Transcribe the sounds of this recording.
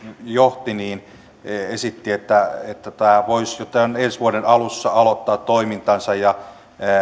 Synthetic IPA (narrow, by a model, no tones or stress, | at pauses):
joht̪iniːn | esit̪ːiet̪ːæet̪ːæt̪æːʋoisjot̪ːɑonensʋuoɾenɑlusːɑɑlot̪ːɑːt̪toimint̪ɑnsɑjjɑ